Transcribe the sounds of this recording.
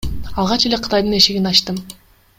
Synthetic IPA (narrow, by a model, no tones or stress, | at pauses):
ɑlˠʁɑt͡ʃe̞le̞qʰɯ̥t̪ɑjd̪ɯneʃeɡinɑʃt̪ɯm